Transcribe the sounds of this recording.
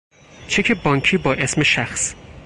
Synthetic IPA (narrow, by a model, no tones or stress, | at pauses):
t͡ʃʰekʰebɒːŋkʰiːbɒːʔe̞sme̞ʃæxs